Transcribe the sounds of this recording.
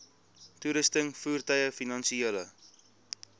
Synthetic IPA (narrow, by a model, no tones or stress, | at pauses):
tuɾəstəŋfuːrtɐjəfinɑnsieːlə